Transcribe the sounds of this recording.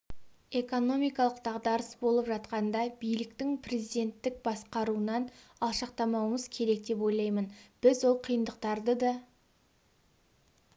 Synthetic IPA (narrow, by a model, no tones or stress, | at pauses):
e̞ko̞no̞mijkɑlˠəqd̪̥ɑʁd̪ɑɾəsbo̞lˠəpʒɑt̪̚qɑnd̪ɑbijlɪkt̪ɪŋpʰre̞zijd̪e̞nt̪ːɪk̚bɑsqɑɾuənɑn | ɑlˠʃɑqt̪ɑmɑwəməzkʲʰe̞ɾe̞k̚d̪e̞po̞jlˠɑjmənb̥ɪzwo̞lˠqʰijənd̪əq̚t̪ɑɾd̪əd̪ɑ